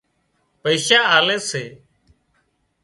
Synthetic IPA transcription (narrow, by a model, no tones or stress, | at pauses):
pəiːʃaːaːleːseː